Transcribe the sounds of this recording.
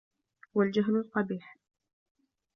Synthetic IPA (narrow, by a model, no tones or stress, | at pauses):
wald͡ʒaɦnʊlq̪ɑbiːħ